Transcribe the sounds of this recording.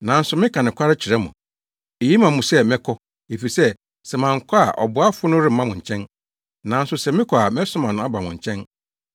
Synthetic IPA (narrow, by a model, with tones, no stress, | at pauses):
nã˨n̩˦sʊ˨mɪ̃˦kʰã˨nɪ̃˨kʷʰa˦ɾɪ˦t͡ɕʰɪ˨ɾɛ˦mʊ̰̃˨ | e˨ji˦mã˨mʊ̃˨sɛ˦mɛ̃˦kʰɔ˦ | e˨fi˨sɛ˦ | sɛ˨mã˨ŋ̩˨kʰa˦a̰˨ʔɔ̰˨bʊ˨˦a˦fʊ˦nʊ̃˦ɾɪ˦m̩˨mã˦mʊ̃˨ɲ̩˨t͡ɕʰɛ̃˦n | nã˨n̩˦sʊ˨sɛ˨mɪ̃˦kʰɔ˨a˨mɛ˦sʊ̃˦mã˨nʊ̃˨˦a˦ba˨mʊ̃˨ɲ̩˨t͡ɕʰɛ̃˦n